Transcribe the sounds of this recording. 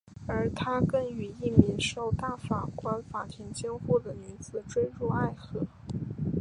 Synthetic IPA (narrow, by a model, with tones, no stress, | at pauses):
ə˞˧˥t̪ʰa˥kə˥ny˨˩i˥˩mi˧˥ŋʂo˥˩ʊt̪a˥˩fa˨˩kwa˧˥nfa˨˩t̪ʰɛ˧˥ŋt͡ɕjɑ˥ŋxu˥˩d̪ə˩ny˧˥t͡sɹ̩˨˩˦ʈ͡ʂwe˥ɪɻu˥˧a˥˩ɪxɤ˧˥˦